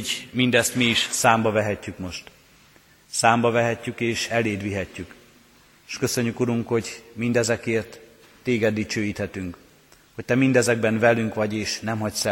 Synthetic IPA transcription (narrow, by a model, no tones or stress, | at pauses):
mind̪ɛst̪miiʃsaːmbɒvɛɦɛcːykmo̞ʃt̪ | saːmbɒvɛɦɛcːykeːʃɛleːd̪ʋiɦɛcːyk | ʃkø̞sø̞ɲːykuɾuŋkho̞ɟmind̪ɛzɛkeːrt̪ː | eːɡɛd̪ːit͡ʃøːjiːt̪hɛt̪yŋk | hoc̚t̪ɛmind̪ɛzɛɡbɛnvɛlyŋkʋɒɟeːʃnɛmɦɒcsɛ